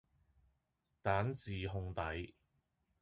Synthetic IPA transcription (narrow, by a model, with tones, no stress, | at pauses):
t̪aː˨˥nt͡siː˨ɦʊ˧ŋt̪ɐ˨˥j